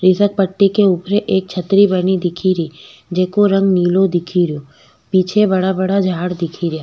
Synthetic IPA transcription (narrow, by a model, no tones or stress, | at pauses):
ɾɪsək̚pəʈːikeuːpɾeʔeːk̚t͡ʃʰɐt̪ɾibɐnid̪ɪkʰiɾiːd͡ʒeːkoɾɐ̃ŋɡniːlõd̪ɪkʰiɾjõː | piːt͡ʃʰebɐɽabɐɽad͡ʒʱaːɽd̪ɪkʰiɾjaː